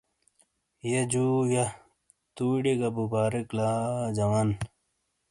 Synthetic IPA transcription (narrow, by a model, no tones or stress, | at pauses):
jed͡ʑuja | t̪uːɖeɡɐbubaːɾeklad͡ʑɐwaːn